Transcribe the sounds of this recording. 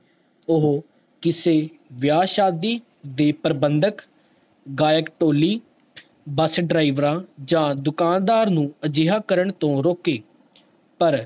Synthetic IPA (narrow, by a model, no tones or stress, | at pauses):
ʊɦ | kɪseː | ʋjaːʃaːd̪iː | d̪eːpəɾbənd̪ək | ɡaːjəkʈoːliː | bəsɖɾaːiʋɾãːd͡ʒãːd̪ʊkaːnd̪aːɾnũːəd͡ʒɪɦaːkəɾəɳt̪õːɾoːkeː | pəɾ